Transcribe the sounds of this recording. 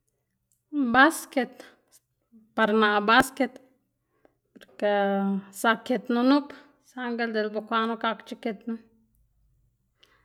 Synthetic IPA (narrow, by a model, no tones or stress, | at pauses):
basket̪ | paɾnaʔbasket̪ | poɾkesaket̪nunup | saŋɡeld̪elbokʷanokakt͡ʃiket̪nu